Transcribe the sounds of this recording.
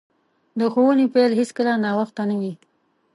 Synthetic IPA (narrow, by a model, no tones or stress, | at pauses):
d̪əxowənepelɦeskəlanɑwaxt̪anawi